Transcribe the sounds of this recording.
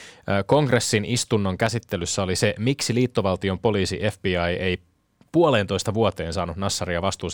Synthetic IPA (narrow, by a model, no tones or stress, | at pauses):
ko̞ŋɡre̞sːinist̪unːo̞ŋkæsit̪ːelysːæo̞lise̞miksiliːt̪ːo̞ʋɑlt̪io̞mpo̞liːsḭʔe̞fb̥iːɑjej | puole̞ːnt̪o̞jst̪ɑʋuot̪e̞ːnsɑːnut̪nɑsːɑriɑʋɑst̪uːs